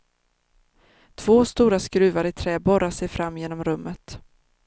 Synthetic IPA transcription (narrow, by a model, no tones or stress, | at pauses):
t̪ʰv̥oːst̪uːɾaskɾʉ̟ːvaɾɪt̪ʰɾɛːbɔɾaʂɛjfɾamːjeːnɔmɾɵmːət̪